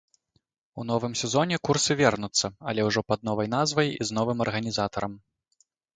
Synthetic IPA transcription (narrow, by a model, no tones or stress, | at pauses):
unɔvɨmsʲɛzɔnʲɛkursɨvʲɛrnut̪sːɐɐlʲɛwʐɔpɐd̪̚nɔvɐjnazvɐjizn̪ɔvɨmɐrɣɐnʲizat̪ɐɾɐm